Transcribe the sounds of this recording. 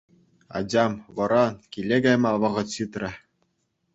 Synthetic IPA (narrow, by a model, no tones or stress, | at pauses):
ɑ̰d͡ʑɑmʋɤ̆ɾɑkʲilʲːeɡɑjmɑʋɤ̆ʁɤ̆ɕɯt̪rʲɘ̆